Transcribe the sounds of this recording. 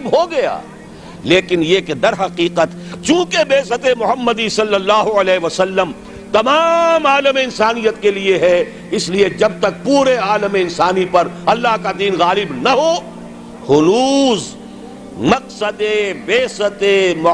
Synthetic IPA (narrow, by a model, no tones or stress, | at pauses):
bɦoɡɐja̰ː | leːkɪnjeːkd̪ɐɾɦɐqiːqət̪t͡ʃũːkebeːsət̪emʊɦəmːəd̪isɐlːəlːaːɦoɐlɛːɦeʋɐsɐlːəm | t̪ɐmaːmaːləmeɪnsaːnijət̪kelieɦɛ | ɪslied͡ʒɐb̚t̪ɐk̚puːɾeaːləmeɪnsaːnipɐɾɐlːaɦkad̪iːnɣaːlɪbnɐɦo | hʊluːz | mɐqsəd̪ebeːsət̪emʊ